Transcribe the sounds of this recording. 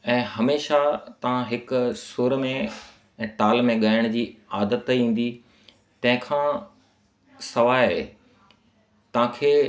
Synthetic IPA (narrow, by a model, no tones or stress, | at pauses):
ɛ̃ːhɐmeːʃat̪ɐʋ̤ãɦɪkʊsuːɾmẽ | ɛ̃ːʈaːlmẽɠaːɪəɽ̃d͡ʑiːaːd̪ət̪ĩːn̆d̪i | t̪ɐ̃ɦɪ̃kʰãː | sɐʋaːḛ | t̪ɐʋ̤ãkʰeː